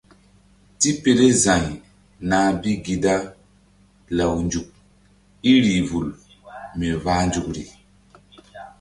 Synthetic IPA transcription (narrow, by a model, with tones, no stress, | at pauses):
ti˦pe˨le˦zã˨ɲ | na˨bi˦ɡi˨da˦ | la˨wnd͡ʒu˨k̚ | i˦ɾi˨vu˨l | me˨vaː˦nd͡ʒu˨kɾḭ˨